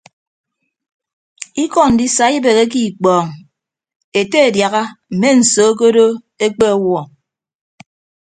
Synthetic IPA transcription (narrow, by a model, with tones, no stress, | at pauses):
i˦kɔ˨n̩˨di˦sa˨i˦be˨ɣe˦k̬i˦˨k͡pɔː˨ŋ | e˨te˦e˨dja˨ɣa˦m̩˨me˦n̩˨soː˨˦k̬o˦do˦ | e˦k͡pe˦ɔ˦wɔ˨